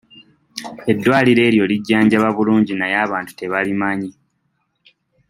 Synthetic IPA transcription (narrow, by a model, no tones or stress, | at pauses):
e̞dːwaːliɾe̞ːɾjo̞liɟːaːɲɟaβaβuluːɲɟinajaːβaːntu̥te̞βalimaɲi